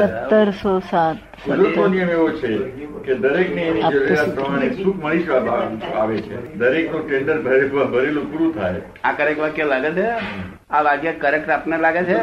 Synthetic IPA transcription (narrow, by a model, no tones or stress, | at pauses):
sət̪ːəɾsosat̪ | ud̪ɾət̪onijəmeʋot͡ʃʰeked̪əɾekneːnid͡ʒəʋeɾat̪̚pɾəm̤añesũkʰməɭid͡ʒabaa̰ʋet͡ʃʰḛd̪əɾeknũʈeɳɖəɾbʱəɾeʋabʱəɾelũpuɾũt̪ʰaj | akəɾekʋakjelaɡet͡ʃʰe | aʋaɡjəkəɾekʈɾapnelaɡet͡ʃʰe